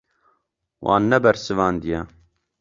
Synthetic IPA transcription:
wʔɑ̰ːnːɛbɛɾsɨvɑːnd̪ijɛ

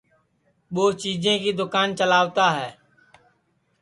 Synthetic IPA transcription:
ɓoːt͡ʃiːd͡ʒẽːkiːd̪ʊkaːnt͡ʃəlaːʋt̪aːɦɛː

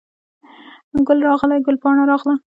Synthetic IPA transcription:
ɡʊlɾɑɣlaɡʊlpɑɳaɾɑɣla

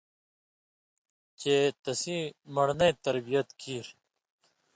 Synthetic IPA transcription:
t͡ɕeːt̪ɐsimɐɽnɐjt̪ɐɾbijɐt̪kʰiːɾ

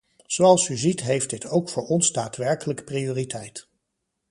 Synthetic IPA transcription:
z̥owɑlˠsyzitɦejfdɪtʰowkfʊːɹɔnsdaːtʋɛɹkələkprioːritʰɛjt

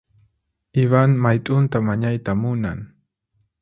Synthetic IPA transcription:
ɪβaŋmajt̪ʼʊnt̪amaɲajt̪amʊnaŋ

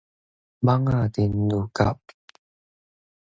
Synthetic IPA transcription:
maŋat̪inːuka̰p̚

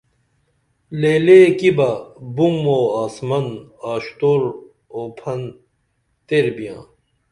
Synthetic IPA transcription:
leːlekibɐbumoːaːsmɐnaːɕt̪oːɾ | oːpʰɐn | t̪eɾbijã̰ː

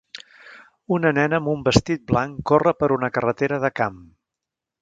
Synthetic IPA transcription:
unənɛnəːmbumbəst̪it̪̚blaŋkorəpəɾunəkərət̪eɾəðəkam

